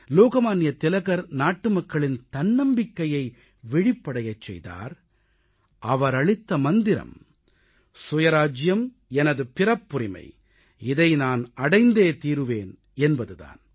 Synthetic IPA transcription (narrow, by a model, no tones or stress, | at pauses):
loːɣɐmaːnɪjɐt̪ɪlɐɣɐɾnaːʈːɯmɐkːɐɭɪnt̪ɐnːɐmbɪkːɐjɐɪ | ʋɪɻɪpːɐɽɐjɐt͡ʃːɛ̰jða̰ːɾ | ʔɐʋɐɾɐɭɪt̪ːɐmɐnd̪ɪɾɐ̰m | sʊjɐɾaːd͡ʒjɐm | ɛnɐðɯpɪrɐpːʊɾɪmɐ̰ɪ | ɪðɐɪnaːnɐɽɐɪnd̪eːt̪iːɾɯʋeːn | ɛnbɐðɯða̰ːn